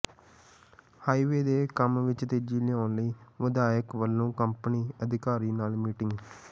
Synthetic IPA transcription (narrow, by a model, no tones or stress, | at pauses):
haːiːʋeːd̪eːkəmʋɪt͡ʃt̪eːd͡ʒiːlɪjãːnləiːʋəd̪aːəkʋəlːõːkəmpniːəd̪ɪkaːɾiːnaːlmiːʈɪ̃ŋɡ